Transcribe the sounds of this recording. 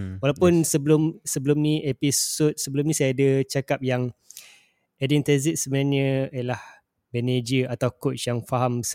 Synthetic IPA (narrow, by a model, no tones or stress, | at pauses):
walawpʊnsəbəlʊmsəbəlʊmnĩʔepisot̪̚səbəlʊmnĩsajaːdət͡ʃakap̚jaŋ | ɛdɛnt̪ɛzit̪̚səbənaɲəijəlah | bɛned͡ʒəat̪awkot͡ʃjaŋfaɦams